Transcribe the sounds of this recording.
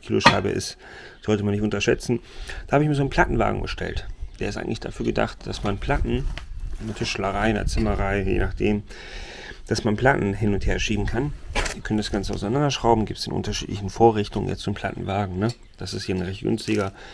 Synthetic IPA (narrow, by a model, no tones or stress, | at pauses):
kʰiːloʃaɪbə̰ʔɪ̰st | z̥ɔltəmanːɪçtʊntɐʃɛt͡sn̩d̥ahaːbɪçmiːɐzoːnpʰl̥atn̩va̰ːɡŋ̩bəʃtʰɛ̰ltd̥eːɐɪstʔaɪŋ̩tlɪçd̥a̰fyːɐɡəda̰χt̚d̥asmanpʰl̥atn̩natʰɪʃləʁaɪndɐ̰t͡sɪmɐʁaɪjḛːnaχd̥eːm | d̥asmanpl̥atn̩ɦɪnʊntheːɐʃiːbn̩kʰanviːɐœnənd̥asɡ̥ant͡səaʊsaɪnandɐʃʁ̥aʊbm̩ɡiːp̚tsd̥enʔʊ̰ntɐʃḭːtlɪçn̩foːɐʁɪçtʊŋə̰njɛ̰t͡stzonmpʰl̥a̰tn̩vaːɡŋ̩nə | d̥asɪsthiːɐnʁɛçt̚ɡ̥ʏ̰nstɪɡɐ